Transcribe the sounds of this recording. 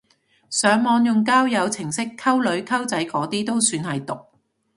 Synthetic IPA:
sœː˨˧ŋmɔː˨njʊ˨ŋk̬aː˥wjɐ˨˧wt͡sʰɪ˨˩ŋsɪ˥kʰːɐ˥wlɵ˨˧ɥkʰɐ˥wt͡sɐ˨˥jkɔː˨˥t̪iː˥t̪o˥wsyː˨˧nɦɐ˨jt̪ʊ˨k̚

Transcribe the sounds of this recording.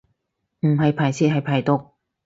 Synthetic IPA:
m̩˨˩hɐ˨˧jpʰaː˨˩jsiː˥t̚hɐ˨jpʰaː˨˩jt̪ʊ˨˧k̚

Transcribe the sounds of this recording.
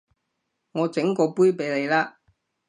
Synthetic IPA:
ŋɔː˨˧t͡sɪ˨˥ŋkɔː˧puː˥jpe˨˧jle˨˧jlaː˥

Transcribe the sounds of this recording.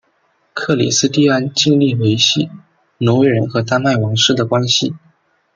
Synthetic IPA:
kʰɤ˥˩lḭ˨˩sɹ̩˥t̪i˥˧a˥˧nt͡ɕi˥˧ŋli˥˩we˧˥ɪɕi˥˩ | no˧˥we˧˥ɻə˧˥nxɤ˧˥t̪a˥nma˥˩ɪwɑ˧˥ŋʂɻ̩˥˩d̪ə˩kwa˥nɕi˨˩

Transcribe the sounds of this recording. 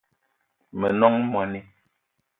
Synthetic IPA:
mɛ˨nɔ˦ŋmwa˨ni˦

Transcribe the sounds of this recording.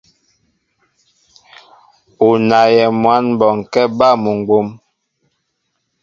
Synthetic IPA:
u˨na˨jɛ˨mwa˨˦nbɔ˨ŋ˨kɛ˦ba˦˨mu˨ŋ˨ɡ͡bo˨˦m

